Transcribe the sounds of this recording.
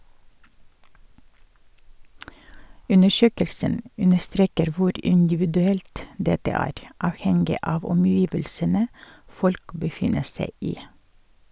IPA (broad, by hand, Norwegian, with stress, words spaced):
ˈʉnəˌʃøːkəlsən ˈʉnəˌstɾeːkəɾ ˈʋʊɾ ɪndɪʋɪdʉˈɛlt ˈdɛtə ˈæːɾ ˈɑːʋhɛŋɡɪ ˈɑːʋ ɔmˈjiːʋəlsənə ˈfɔlk bəˈfɪnə ˈsæɪ ˈiː